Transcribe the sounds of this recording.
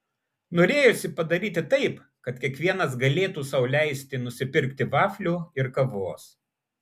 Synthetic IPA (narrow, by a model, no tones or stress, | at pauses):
noːɾʲeːjʊsʲɪpɐd̪ɐɾʲiːt̪ʲɪt̪ɐɪp | kɐt̪kʲiɛkʋʲiɛnɐs̬ɡɐlʲeːt̪uːsɐʊlʲæɪsʲt̪ʲɪnʊsʲɪpʲɪɾʲkt̪ʲɪʋɑːfʲlʲuːɪɾkɐʋoːs